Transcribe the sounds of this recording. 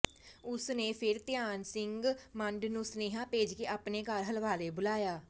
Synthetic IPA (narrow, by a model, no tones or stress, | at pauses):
ʊsneːpʰɪɾt̪ɪjaːnsɪŋɡməɳɖnũːsneːɦãːpeːd͡ʒkeːʔaːpneːkəɾɦəlʋaːleːbʊlaːjaː